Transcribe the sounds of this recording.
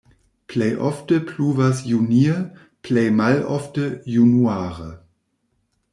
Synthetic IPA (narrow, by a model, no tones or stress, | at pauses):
pʰlɛɪʔɔfd̥əpʰluːvɐsjuniː | pʰlɛɪmalʔɔfd̥əjunuaːʁə